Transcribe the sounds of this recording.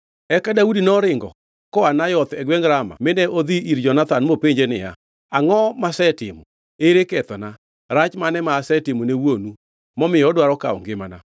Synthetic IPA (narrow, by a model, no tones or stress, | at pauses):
ɛkadaudinɔɾɪŋɡɔ̰ | kɔanajɔt̪ɛɡwɛŋɾama̰mɪndɛʔod̪iiɾd͡ʒɔnat̪anmopeɲd͡ʒenɪja̰ | aŋɔmasɛtɪmɔ | eɾekɛt̪ɔna | ɾat͡ʃmanɛmaːsɛtɪmonewonu | mɔmɪjɔdwaɾɔka̰ɔ̰ŋɡɪmana̰